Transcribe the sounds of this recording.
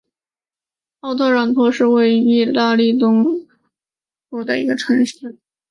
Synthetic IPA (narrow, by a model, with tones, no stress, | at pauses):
ɑ˥˧ʊt̪ʰɤ˥˧ɻɑ˧˩ŋt̪ʰwɔ˥ʂɻ̩˥˧we˥˩ɪi˥˩la˥˧li˥˩t̪ʊ˥ŋ | pu˥˩d̪ə˩ḭ˧˥ɡə˧ʈ͡ʂʰɤ˧˥ŋʂ̩˥˩